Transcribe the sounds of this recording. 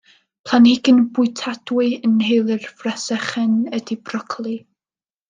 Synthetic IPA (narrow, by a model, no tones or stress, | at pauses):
pʰl̥ˠanɪɡɪnbʊɨtʰadwɨənhejlˠɨrfrɛsɛχɛnədibrɔkʰlˠi